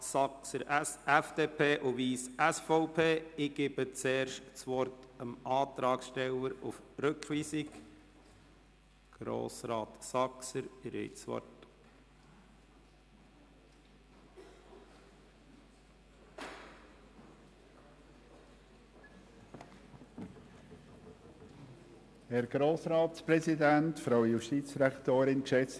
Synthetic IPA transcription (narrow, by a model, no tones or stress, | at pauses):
sɑksəɾæfd̥̪eːpʰeːʔuʋiːsæsfɔʊpʰeːɪɡ̥ɪbət͡seːɾʃtt͡sʋɔrtəmʔɑːt̪ɾɑːksʃtɛləɾufɾɵkχʋiːsɪk | ɡ̥ɾo̰ːsɾɑːt̪sɑksəɾɾḛːt͡sʋɔ̰rt | hɛɾɡ̥ɾoːsɾɑːt̪spɾɛsidæntfɾaʊjuʃtiːt͡sd̥ɾækt̪oːɾɪnkʃɛt͡s